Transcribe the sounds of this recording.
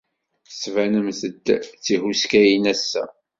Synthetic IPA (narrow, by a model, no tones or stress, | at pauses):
svænəmθəd̪t͡sːihuskæjinæsːæ̰